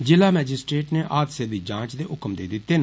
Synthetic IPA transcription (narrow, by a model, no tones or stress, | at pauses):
d͡ʒɪlaːmɛːd͡ʒɪsʈɾeːʈneːʔaːd̪seːbiːd͡ʒãːt͡ʃd̪eːʔʊkəmd̪ḛːd̪ɪt̪ːeːn